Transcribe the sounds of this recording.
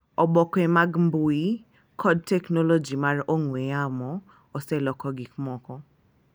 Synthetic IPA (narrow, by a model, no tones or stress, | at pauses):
ɔbɔkemaɡm̩boi | kʰɔd̚tɛknɔlod͡ʒimaɾʔoŋweamɔ | ɔsɛlɔkɔɡɪkmɔkɔ